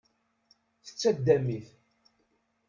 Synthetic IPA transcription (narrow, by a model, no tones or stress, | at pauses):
θə̥t͡sːæd̪ːæmiθ